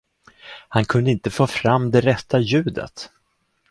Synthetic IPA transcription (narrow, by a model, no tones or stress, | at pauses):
hankʰɵnd̪əɪnt̪əfoːfɾamːd̪ɛɾɛt̪ʰːajʉ̟ːd̪ə̰t̪